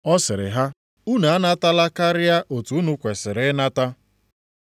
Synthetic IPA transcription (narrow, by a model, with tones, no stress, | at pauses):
ɔ˦sɪ˨ɾɪ̰˨ɦa˦ | u˦na˨a˦na˦ta˦la˦ka˦ɾɪ˦ja˦ʔo˨tu˨u˦nu˦kʷe˨sɪ˨ɾɪ˨˦na˦ta˦